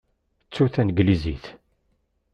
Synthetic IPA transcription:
t͡sːuθænɡlizḭθ

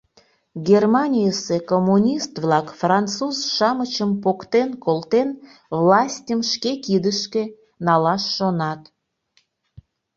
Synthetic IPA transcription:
ɡʲermɑnʲijəsekomːunʲist̪βlɑkfrɑntt͡suzʃɑmət͡ɕəmpokt̪enkolt̪en | βlɑsʲtʲəmʃkekid̪əʃke | nɑlɑʃːonɑt̪

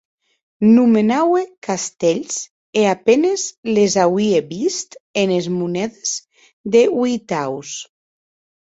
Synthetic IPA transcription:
numenawekast̪eʎz̥ | eapenezlezawieβist̪enezmunɛðez̥ | ðewijt̪aws

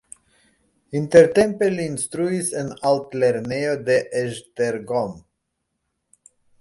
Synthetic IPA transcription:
int̪eɾt̪empeliːnst̪ɾuisenaltleɾneod̪eʔeʒteɾɡom

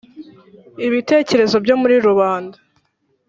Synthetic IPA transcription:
iβite̞ːce̞ɾe̞zo̞bjo̞muɾiɾuβaːndḁ

